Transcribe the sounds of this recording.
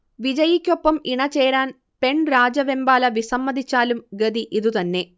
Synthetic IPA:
ʋid͡ʑɐjikʲːo̞pːɐmiɳɐt͡ɕːe̞ːɾaːn | pe̞ɳɾaːd͡ʑɐʋembaːlɐʋisɐmːɐd̪it͡ɕːaːlumɡɐd̪iʔiðut̪ɐnːe̞

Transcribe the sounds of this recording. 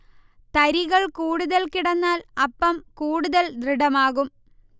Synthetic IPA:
t̪ɐɾiɣɐɭkuːɽuðɐlkiɽɐnːaːlɐpːɐmkuːɽuðɐld̪riɽɐmaːɣum

